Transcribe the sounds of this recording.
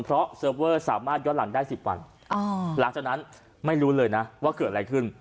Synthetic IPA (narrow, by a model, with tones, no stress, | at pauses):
npʰɾɔ˦˥sɤː˧˥p̚wɤː˥˩sa̰ː˩˦maː˥˩t̪̚jɔ˦˥la̰˨˩˦ŋdaː˥˩jsi˨˩p̚wa̰˧n | ʔɔ˧˩la˨˩˦ŋt͡ɕaː˨˩k̚na˦˥n | ma˥˩jɾuː˦˥lɤː˧jna˦˥waː˥˩kɤː˨˩ɾa˧jkʰɯ˥˩n